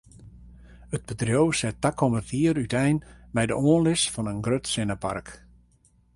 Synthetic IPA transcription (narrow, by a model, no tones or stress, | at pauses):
ət̚b̥ətrjowsɛtːakʰɔmərtiəɾytɛjnmɛjdə̰ʔoənlɪsfɔnənɡrøtsɪnəpa̰rk